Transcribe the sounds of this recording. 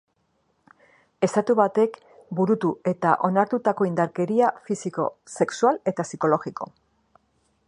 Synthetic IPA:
e̞st̪at̪uβat̪e̞k | buɾut̪ue̞t̪a̰ʔo̞naɾt̪ut̪ako̞ind̪aɾke̞ɾiafisiko̞̰se̞ksuale̞t̪asiko̞lo̞ɣiko̞̰

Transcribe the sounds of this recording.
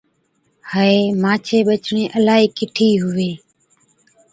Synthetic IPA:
həeːmãːt͡ʃʰeːɓət͡ʃɳẽːʔəlaːɦiːkɪʈʰiːɦʊʋeː

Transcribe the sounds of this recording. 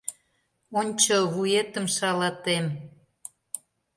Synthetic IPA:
onʲt͡ɕoβujet̪əmʃɑlɑt̪em

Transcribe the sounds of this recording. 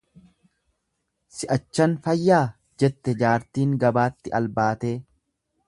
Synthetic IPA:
sɪʔɐt͡ʃːɐnfɐjːaː | d͡ʒɛt̪ːɛd͡ʒaːɾt̪iːŋɡɐbaːt̪ːɪʔɐlbaːt̪eː

